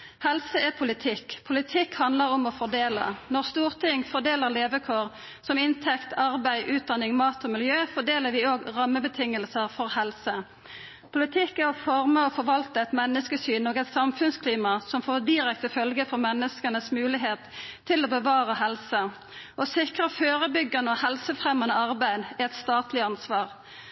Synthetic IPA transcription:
hɛlsəɛʁpʰʊlɪt̪ʰɪkːpʰʊlɪt̪ʰɪkhɑnd̪ləʁɔmɔfɔd̪eːlə̰nɔʁst̪uːʁt̪ʰɪŋfɔʁd̪eːləʁleːʋəkʰoːʁ | sɔmɪnt̪ʰɛkt̪ʰɑʁbæɪʔʉːt̪̚d̪ɑnɪŋmɑːt̪ɔmɪljøːfɔd̪eːləʁɾʋɪoːɡʁɑmːəbət̪ʰɪŋəlsəʁfɔʁhɛlsə | pʰʊlɪt̪ʰɪkːæɾɔfɔʁməɔfɔɾʋɑlt̪əɛt̪mɛnːəskəsyːnoːɡɛt̪sɑmfʉnskʰliːmɑsɔmfoːd̪ɪɾɛk̚t̪əfœlɡəfɔʁmɛnːəskənəsmʉːlɪɦeːt̪ʰːɪloːbəʋɑːʁəhɛlsə | ʔɔsɪkʁəføːʁəbʏɡɑnəɔhɛlsəfʁɛmɑnəɑʁbæɪd̪æɛt̪st̪ɑːt̪lɪɑnsʋɑːʁ

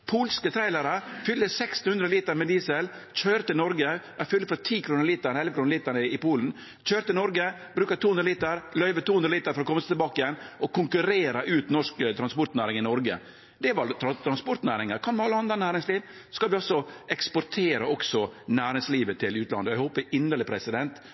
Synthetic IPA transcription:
pʰuːlskət̪ʰɾæɪləɾəfʏlːəsɛkst̪nhʉnd̪ɾəliːt̪əɾmɛd̪iːsəlc͡çøːɾt̪ɪnɔɾɡəæɾfʏlːəfɔɾt̪ʰiːkʰɾuːnɾəliːt̪æɾɛnɛlʋəkʰɾuːnəliːt̪əɳəɪpuːln̩ | c͡çøːɾt̪ɪlnɔɾɡə | bɾʉːkɑt̪ʰuːhʉnɾliːt̪əɾlœʏʋət̪uːhʉnɾliːt̪əɾfɔɾɔkɔmːəst̪lbɑːkɪjɛnːɔkʰʊŋkʉɾeːɾɑʔʉːt̪nɔʂkt̪ʰɾɑnspɔɾt̪næːɾɪŋɪnɔɾɡə̰ | d̪ɛʋɑɾt̪ʰɾɑt̪ʰɾɑnspɔɾt̪næːɾɪŋəɾkʰɑnmɛɑlːəɑnd̪ɾɑnæːɾɪŋsliːʋ | skɑld̪ʋɪɑlsɔɛkspɔɾt̪ʰeːɾɑɔksɔnæːɾɪŋsliːʋət̪ʰɪlʉːt̪lɑ̰nd̪əɔæɪhoːpəʔɪndəɭɪpʰɾɛsɪd̪ɛnt̪

